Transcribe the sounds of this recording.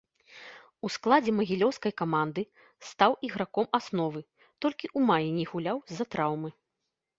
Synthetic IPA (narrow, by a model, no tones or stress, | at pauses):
usklˠad͡zʲɛmɐɣʲilʲɔwskɐjkamand̪ɨ | st̪awʔiɣɾakɔmasnɔvɨ | t̪ɔlʲkʲiʔumajinʲɛɣulʲawzɐt̪ɾawmɨ